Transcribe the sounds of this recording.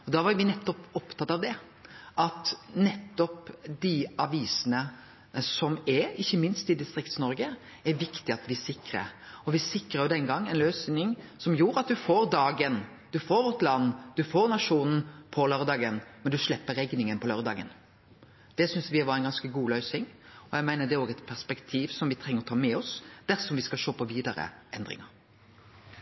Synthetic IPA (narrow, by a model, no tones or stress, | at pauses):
ɔd̪ɑːʋɑɾʋɪnɛt̪ːɔpɔpt̪ʰɑt̪ːɑʋd̪ɛ | ʔɑt̪nɛt̪ːɔpd̪ɪɑʋiːsənə | sɔmɛɾɪçːəmɪnst̪ɪd̪ɪst̪ɾɪkt̪snɔɾɡə | ɛɾʋɪkt̪ɪɑt̪ʋɪsɪkɾə̰ɾɔʋɪsɪkːɾəɾjʊd̪ɛnɡɑŋːɛnløːsnɪŋsɔmjuːɾɑt̪̚d̪ʉfoːɾd̪ɑːɡən | d̪̥ʉfoːɾʉt̪lɑnːd̪ʉfoːɾnɑʂuːnn̩pʰɔlœɾd̪ɑːɡənmɛnd̪ʉʂlɛpːəɾɛɡnɪŋənpʰɔlœɾd̪ɑ̰ːɡən | d̪̥ɛsʏnsʋɪʋɑɾɛɪnɡɑnskəɡuːlœʏsɪŋɔjæɪmæɪnəd̪ɛɾoːɡɛt̪pʰæspɛkt̪ʰiːʋsɔmʋɪt̪ʰɾɛŋːəɾɔt̪ʰɑːmɛɔsd̪̥æɾsɔmʋɪskɑlʃoːpʰɔʋiːd̪ɑɾə̰ʔɛnd̪ɾɪ̰ŋɑɾ